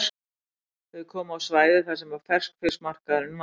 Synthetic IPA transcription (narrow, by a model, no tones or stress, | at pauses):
ɛðkʰɔːmaawsvaːjðɪθasɛmvaɾfɛr̥skfɪ̥smar̥kaðɪn